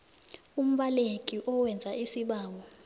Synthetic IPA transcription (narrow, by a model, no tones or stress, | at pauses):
um̩ɓalekʼiʔɔwɛnd͡zʱaisiɓaːŋɔ